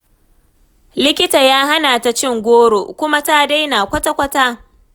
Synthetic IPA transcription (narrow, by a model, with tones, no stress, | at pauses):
lɪ˦kʲɪ˦ta˨jaː˦ɦa˦naː˨ta˨t͡ʃɪ˦ŋɡʷoː˦ɽo̰˨kʷʊ˦ma˦taː˦˨da˦jnaː˨kʷɐ˦ta˦kʷɐ˦taː˦